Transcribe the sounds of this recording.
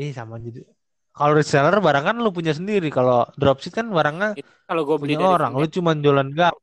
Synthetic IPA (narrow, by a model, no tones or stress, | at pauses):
ɪhsamad͡ʒadi | kaloɾisɛlərbaɾaŋkanlupuɲas̬əndiɾikalodɾɔp̚sɪt̪̚kanbaɾaŋɲa | puɲaoɾaŋlut͡ʃumanɲd͡ʒolanɡa